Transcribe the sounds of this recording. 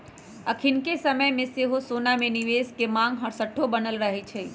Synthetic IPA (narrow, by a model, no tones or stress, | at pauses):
ɐkʰɪnkesɐməjmẽseɦosoːnamẽnɪʋeːskemãːŋɡɦɐɾsəʈʰːobɐnəlɾɐɦet͡ʃʰeː